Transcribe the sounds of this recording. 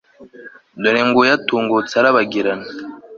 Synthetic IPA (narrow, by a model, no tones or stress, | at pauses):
doɾeŋɡujatuːŋɡut͡saɾaβaɡiɾana